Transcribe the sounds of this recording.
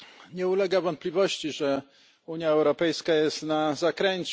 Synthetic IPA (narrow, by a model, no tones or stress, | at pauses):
ɲɛulɛɡavɔnt̪̚pʲlʲivɔɕt͡ɕiʐɛ | uɲjaɛwɾɔpɛjskajɛst̪nazakɾɛɲt͡ɕ